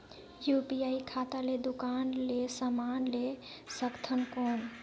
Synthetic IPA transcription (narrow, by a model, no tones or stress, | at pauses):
jupiaikʰat̪aled̪ukanlesəmanle | səkt̪ʰənkon